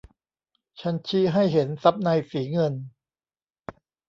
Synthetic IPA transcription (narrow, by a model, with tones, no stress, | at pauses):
t͡ɕʰa˦˥nt͡ɕʰiː˥˩ɦa˥˩jɦe˩˦nsa˦˥p̚na˧jsiː˩˦ŋɤ˧n